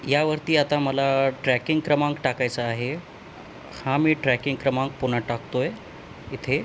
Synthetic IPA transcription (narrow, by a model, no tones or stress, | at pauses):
jaʋəɾt̪iːat̪aməlaʈɾækiŋɡkɾəmãŋkʈakajt͡saːɦe | hãmiːʈɾækiŋɡkɾəmãŋɡpuɳ̤aʈakt̪oje | it̪ʰe